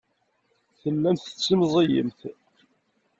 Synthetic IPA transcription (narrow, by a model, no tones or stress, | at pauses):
θəlːænθə̥t͡sːimzˤijə̰mθ